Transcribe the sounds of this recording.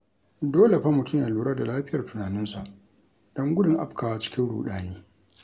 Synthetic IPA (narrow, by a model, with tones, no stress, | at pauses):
doː˦le˨ɸa˦mʊ˨tʊ˦mja˨luː˨ɽaː˦da˨laː˦ɸɪ˦jɐ˨rtʊ˨naː˨nɪ˦nsa˨ʔ | d̥ɔ˦ŋɡʷʊ˦dɪ˨ŋʔa˦pkʰaː˨wa˨t͡ʃɪ̥˦kʲɪ˦nɽṵː˨ɗaː˨neː˦